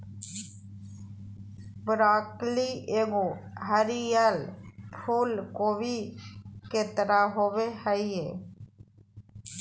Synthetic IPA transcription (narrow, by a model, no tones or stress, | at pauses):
bɾaːklieːɡoɦəɾijəlpʰuːlkoːbi | keːt̪əɾaɦoːʋehəieː